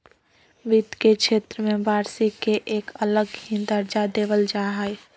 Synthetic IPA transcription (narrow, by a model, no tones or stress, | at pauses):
bid̪keʃeːt̪ɾəmẽbaːɾsikeʔeːkələɡɦid̪əɾd͡ʒad̪eːʋəld͡ʒaːɦə